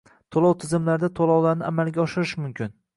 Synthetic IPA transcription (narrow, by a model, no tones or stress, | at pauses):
t̪ʰolˠɒwt̪ʰɪzɪmlaɾd̪at̪ʰolˠɒwlaɾnɪʔamalˠɡʲaɒʃɪɾɪʃmʊmkʲɪn